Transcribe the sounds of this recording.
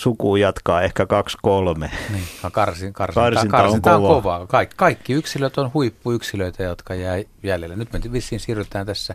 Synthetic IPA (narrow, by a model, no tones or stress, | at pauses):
sukuːjɑt̪kɑːehkækɑkskolmeniːkɑkɑrsikɑrsikɑrsinkɑɑonŋk̪ɑʋkoʋɑːkɑikkɑikːiyksiløt̪onhuipːuyksiløit̪æjot̪kɑjæːjæljelːænyt̪ment̪iʋisːˑiːnsiːryt̪ˑæːnt̪æsːæ